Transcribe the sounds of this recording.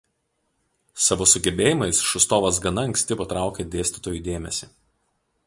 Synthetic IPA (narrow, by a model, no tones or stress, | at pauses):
sɑʋoːsʊɡʲɛbʲeːjɪmɐɪsʃʊst̪oːʋɐs̬ɡɐnɐɐŋʲkʲsʲt̪ʲɪpɐt̪ɾɑˑʊkʲed̪ʲeːsʲt̪ʲɪt̪oːjuˑd̪ʲeːmʲɛsʲiˑ